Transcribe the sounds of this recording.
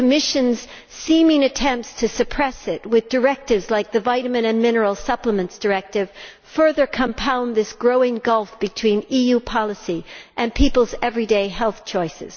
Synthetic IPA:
ɨmɪʃɨ̃nz̥ | sĩmɪ̃ŋɨtʰɛ̃mp̚tstʰɨsɨpʰɹ̥ɛsɪt̚wɨðdə˞ɛk̚tɨvzlaɪk̚ðɨvaɪɾɨmɨ̃ɾ̃ɨ̃nmɪ̃nə˞l̩ˠsʌpləmɨ̃ntsd̥ə˞ɛk̚tɨv̥ | fɜ˞ðə˞kʰə̃mpʰãʊ̃nðɪsɡ̥ɹoʊɪ̃ŋɡʌlˠfb̥ɨtʰw̥ĩnijʉpʰɑlˠəsiʔɨ̃npʰipl̩ˠzɛvɹideɪhɛlˠθt͡ʃʰɔɪsɨ̰z̥

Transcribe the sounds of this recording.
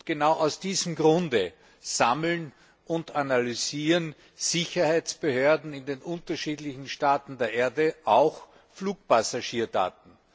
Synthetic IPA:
ɡ̥ənaʊʔaʊsd̥iːzəmɡʁʊndə | z̥aml̩n | ʔʊntanalyziːʁən | z̥ɪçɐhaɪt͡sb̥əhøːɐdn̩ɪndenʔʊntɐʃiːdlɪçn̩ʃtaːtn̩deːɐʔeːɐdəʔaʊx | fluːk̚pasaʃiːɐda̰ːt̚n̩

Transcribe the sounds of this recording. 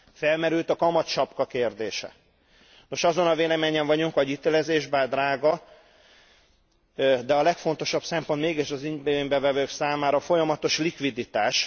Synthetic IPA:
fɛlmɛɾylt̪ɒkɒmɒt̪t͡ʃɒpkɒkeːrd̪eːʃɛ̰ | no̞ʃɒzo̞nɒveːlɛmeːɲɛɱvɒɟuŋkɒɟit̪eːlɛzeːʒbaːd̪raːɡɒ | d̪ɛɒlɛkfo̞nt̪o̞ʃɒpsɛmponmeːɡiʃɒziɲbmbɛvɛvøːksaːmaːɾɒfo̞jɒmɒt̪o̞ʃlikʋid̪it̪aːʃ

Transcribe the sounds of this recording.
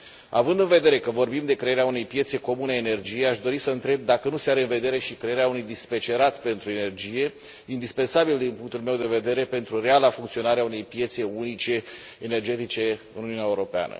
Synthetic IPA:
a̰vɨnd̪ɨnve̞d̪e̞ɾe̞kəvo̞rbimd̪e̞kɾeeɾeaune̞jpje̞t̪se̞ko̞muneene̞rd͡ʒijeaʃd̪o̞ɾisəɨnt̪ɾe̞b̚d̪akənuse̞aɾe̞ɨnve̞d̪e̞ɾe̞ʃikɾe̞jeɾeaunujd̪ispet͡ʃe̞ɾat̪sʲpe̞nt̪ɾue̞ne̞rd͡ʒije̞ | ind̪ispe̞nsabild̪inpuŋk̚t̪ulme̞wd̪e̞ve̞d̪e̞ɾe̞pe̞nt̪ɾure̞alafuŋkt̪sio̞naɾeaune̞jpje̞t̪se̞unit͡ʃe̞ː | ne̞rd͡ʒe̞t̪it͡ʃe̞ɨ̰nuniuneaeuɾo̞pea̰nə̰

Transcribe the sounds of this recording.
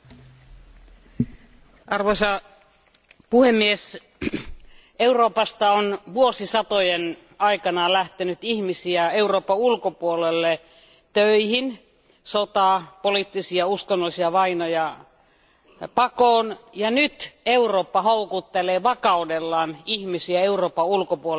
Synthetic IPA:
ʔɑrʋoisɑ | puhemːies | euroːpɑst̪ɑonʋuosisɑt̪ojen | ɑikɑnɑlæht̪enyt̪ihmisiæeuroːpːɑulkopuolelːe | t̪øihin | sot̪ɑˑpoliˑt̪ːisiɑuskonːolːˑisiɑʋɑinojɑ | pɑkoːnjɑnyt̪euroːpːɑhoukut̪ːeleːʋɑkɑudelːɑːnihmisiæeuroːpːɑulkopuo

